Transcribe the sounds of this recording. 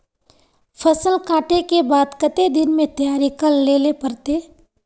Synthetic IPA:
fʰɐsəlkaːʈekebaːd̪kɐt̪ed̪ɪnmẽt̪ɐjaːɾikəlːeːlepɐɾt̪eː

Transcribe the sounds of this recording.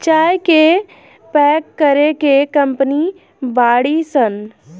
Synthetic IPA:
t͡ʃaːjke | pɛːkːəɾekekə̃mpəni | baːɽisən

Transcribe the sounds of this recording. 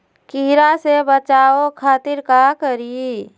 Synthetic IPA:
kɪɦɾasebət͡ʃaːokʰaːt̪ɪɾkakəɾi

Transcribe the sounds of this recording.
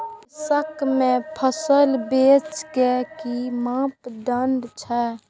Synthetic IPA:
səkʰmẽpʰəsəlbeːt͡ʃkekimãːpɖəɳɖt͡ʃʰɛ

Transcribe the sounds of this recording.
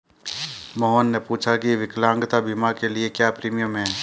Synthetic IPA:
mɔɦonːepuːt͡ʃʰakiʋɪklãːŋɡt̪abʱimakeliekjaːpɾiːmijəmɦɛ̃ː

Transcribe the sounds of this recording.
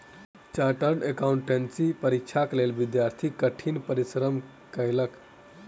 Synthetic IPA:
t͡ʃaʈəɾnekauɳʈensipəɾik̚t͡ʃʰaklelbid̪jaɾt̪ʰikəʈʰinpəɾisɾəm | kəjlək

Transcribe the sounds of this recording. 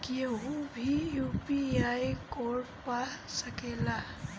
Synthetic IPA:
kieɦubʱijupiajkɔɾ | pasəkela

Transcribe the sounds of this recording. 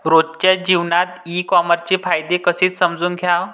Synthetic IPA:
ɾott͡ɕjad͡ʑiʋnat̪ikɔməɾt͡ɕefajd̪ekəseːt͡ssəmd͡zuːnɡʱjaw

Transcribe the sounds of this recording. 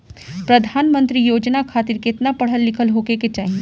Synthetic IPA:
pɾɐd̪ʱaːnmə̃nt̪ɾijoːd͡ʒnakʰaːt̪ɪɾkɪt̪napɐɽ̤əlːɪkʰəlɦoːkeket͡ʃaːɦie

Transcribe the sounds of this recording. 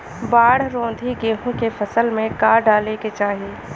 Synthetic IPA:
baːɽ̤ɾõːnd̪ʱiɡeːɦũkefəsəlmẽkaːɾɖaːleket͡ʃaːɦieː

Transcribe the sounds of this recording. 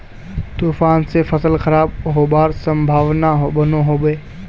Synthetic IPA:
t̪uːfaːnsefʰəsəlkʰəɾaːbɦoːbaːɾsə̃mbʱaːʋnaɦobənoɦoːbeː

